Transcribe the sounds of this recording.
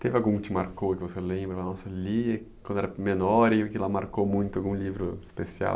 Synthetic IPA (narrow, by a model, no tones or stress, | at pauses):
t̪evɪawɡũkɪt͡ʃɪmaɾkokɪvoselẽbɾɐɐnɔsɐliekwɐ̃nd̪ɛɾɐmenɔɾiʊkɪlamaɾkomũj̃t̪ʊaɡũlivɾʊi̥spesia̰w